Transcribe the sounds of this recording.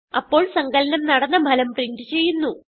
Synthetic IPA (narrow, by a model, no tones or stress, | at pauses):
ɐpːo̞ːɭsɐŋɡɐlɐnɐmnɐɽɐnːɐbʱɐlɐmpriɳdɨt͡ɕe̞jːunːu